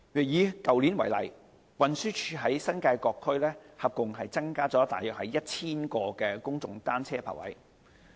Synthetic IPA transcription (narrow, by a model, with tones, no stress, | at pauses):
jyː˨˩jiː˨˧kɐ˨wliː˨˥nwɐ˨˩jlɐ̰˨˩j | wɐ˨nsyː˥t͡ʃʰyː˧ɦɐ˨˥jsɐ˥nkaː˧jkɔː˧kʰːɵ˥lɛː˥hɐ˨p̚kʊ˨ŋɦɐ˨jt͡sɐ˥ŋkaː˥t͡sɔː˨˥t̪a̰ː˨˩jœː˨k̚hɐ˨jjɐ˥t̚t͡sʰiː˥nkɔː˧kɛː˧kʊ˥ŋt͡sʊ̰˨ŋt̪aː˥nt͡sʰɛː˥pʰa̰ː˨˩wɐ̰˨˥j